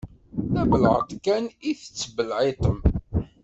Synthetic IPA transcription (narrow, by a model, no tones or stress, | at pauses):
θæbəlʕə̰t̪ˤkæniθə̥t͡sːbəlʕet̪ˤəm